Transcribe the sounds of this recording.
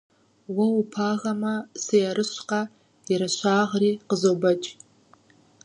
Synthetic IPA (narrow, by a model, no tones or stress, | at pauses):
waupʰaːʁamɐsejaɾɨʃʷqa | iɾaʃʷʰaːʁriːqəzobɐt͡ʃʼ